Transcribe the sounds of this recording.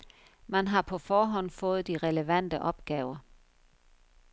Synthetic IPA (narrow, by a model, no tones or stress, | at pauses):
mænɦɑ̈pʰɒ̽fɒːɦɒ̽n̰fɔ̽ːð̩ˠd̥iʁɛləʋæn̰d̥əʔɒ̽b̥ɡ̥ɛːʊɐ